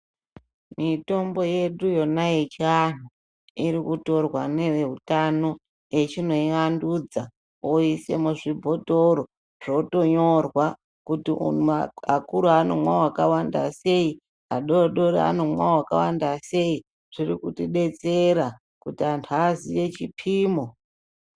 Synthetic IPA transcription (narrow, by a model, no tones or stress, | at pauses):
mito̞mbo̞je̞ɗujo̞najet͡ʃian̤̥u | iɾikuto̞rwane̞eɦutano̞ | je̞t͡ʃino̞iandud͡za | oise̞muʐibʱo̞toɾo | ʐ̥o̞to̞ɲo̞rwa | kutiṵaakuɾuanomwawakawandase̞i | aɗoɗo̞ɾia̰nomwawaka̰wandase̞i | ʐ̥irikutiɗe̞t͡se̞ɾa | kutiantʰazije̞t͡ʃipʰiːmo